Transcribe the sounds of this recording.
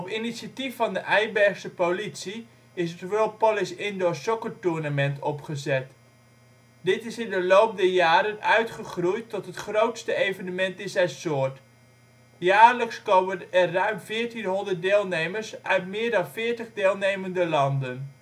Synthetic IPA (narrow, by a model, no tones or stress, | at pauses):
ɔpinisatifːɑndəʔɛjbɛɹxsəpolitsi | ɪstvopɔlɪsɪndosɔkəɹtʊɹnəmɛntɔpχəzɛt | dɪtɪsɪndəlowp̚dɛjaːɾənœɥtχəχrujtːɔtɦətχrowtstəejvənəmɛntɪsɛsʊːɹt | jaːɹləkskowmənɛrːœɥmvɪːɹtinɦɔndət̚deːlˠnejməɹsœɥtmɪːɹdɑnfɪːɹtəχdeːlˠnejməndəlɑndən